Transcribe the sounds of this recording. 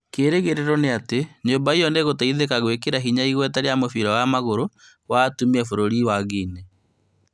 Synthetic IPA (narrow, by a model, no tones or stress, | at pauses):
keɾeɣeɾeɾɔneateɲoːmbaijɔneɣotaiðekaɣwekeɾaɦiɲaiɣwɛtaɾeamofiɾɔɣamaɣoɾo | watumiɛfoɾoɾiwaɣine